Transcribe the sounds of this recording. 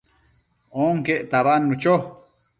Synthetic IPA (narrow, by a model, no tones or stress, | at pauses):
oŋkeʔt̪aβanːut͡ʃo